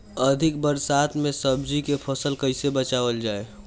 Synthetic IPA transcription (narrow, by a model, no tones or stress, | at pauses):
əd̪ʱɪk̚bəɾsaːt̪ʰmẽsɐbd͡ʒikepʰɐsəlkɐɪsebɐt͡ʃaːʋəld͡ʒaːe